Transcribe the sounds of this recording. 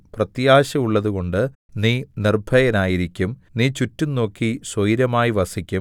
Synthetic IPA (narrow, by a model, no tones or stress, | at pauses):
prɐt̪jaːɕɐmuɭːɐðuɣo̞ɳɖɨ | niːnirbʱɐjɐnaːjiɾikʲːumniːt͡ɕutːunːo̞ːkːisojiɾɐmaːjiʋɐsikʲːum